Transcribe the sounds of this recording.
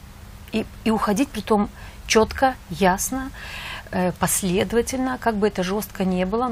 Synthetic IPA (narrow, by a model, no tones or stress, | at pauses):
iiʊxɐdʲit̚ʲpɾʲɪt̪o̞mt͡ɕot̪kəjasnə | əpɐsʲlʲe̞d̪əvətʲɪlʲnəkaɡ̚bɨɛt̪əʐo̞st̪kənʲe̞bɨlˠə